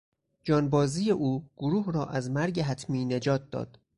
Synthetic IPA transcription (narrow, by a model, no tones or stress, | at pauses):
d͡ʒɒːnbɒːziːjeʔuːɡ̥oɾuːɦɾɒːʔæzmæɾɟeɦæt̪ʰmiːne̞d͡ʒɒːt̪̚d̪ɒ̰ːd̪̥